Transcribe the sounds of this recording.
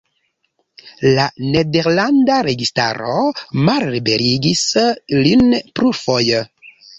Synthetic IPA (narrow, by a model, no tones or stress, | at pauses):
lane̞de̞ɾlandaɾe̞ɡista̰ɾomalɾibe̞ɾiɡislinpɾufoj